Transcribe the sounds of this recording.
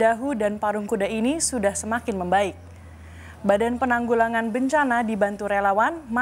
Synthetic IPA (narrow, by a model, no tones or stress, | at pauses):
aɦudanpaɾuŋkudainisudahsəmakɪnməmbaɪk̚ | badanpənaŋɡulaŋanbəɲt͡ʃanadibant̪uɾelawanma